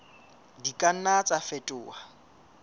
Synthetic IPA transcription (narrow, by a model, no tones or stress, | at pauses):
dikʼan̩nat͡sʼafɛtʼʊːa